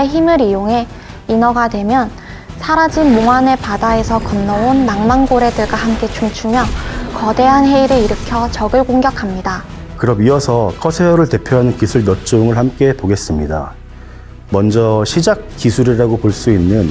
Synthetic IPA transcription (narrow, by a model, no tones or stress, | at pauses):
eçimɯɾijoŋe̞ | inʌɡadwe̞mjʌn | sʰaɾad͡ʑinmoŋɦanepadae̞sʰʌkʌnːʌonːaŋmaŋɡoɾe̞dɯɭɡwahamk͈e̞t͡ɕuŋt͡ɕʰumjʌkʌde̞ɦanɦe̞iɾɯiɾɯkʰjʌt͡ɕʌɡɯɭkoŋɡjʌkʰamɲida | kɯɾʌbiʌsʰʌkʰʌsʰeʌɾɯɭte̞pʰjoɦanɯnkisʰuɭmjʌt͡ɕ͈oŋɯɭhamk͈e̞poɡe̞s͈ɯmɲida̰ | mʌnd͡ʑʌɕʰid͡ʑak̚k͈isʰuɾiɾaɡopoɭs͈uinːɯn